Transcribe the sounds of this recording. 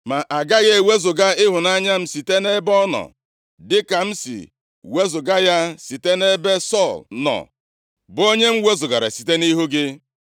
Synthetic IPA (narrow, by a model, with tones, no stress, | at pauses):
ma˨ʔa˨ɡa˦ɣe˦˨we˦zʊ˨ɡa˦ɪ˦ɦʊ˨na˦ɲa˦m̩˨si˨te˦ne˦bɔ˦nɔ̰˨ | dɪ˦ka˨m̩˦sḭ˨ | we˦zʊ˨ɡa˦ja˦si˨te˦ne˦be˦sɔ˦˨lnɔ̰˨ | bo˦ɲe˦m̩˦we˦zʊ˨ɡa˨ɾa̰˨si̥˨te˦ni˦ɦu˦ɡɪ˦